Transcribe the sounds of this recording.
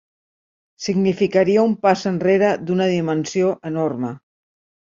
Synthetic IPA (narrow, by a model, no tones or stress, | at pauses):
siɡnifikəɾiəumpasənreɾəd̪unəðimənsioʔənormə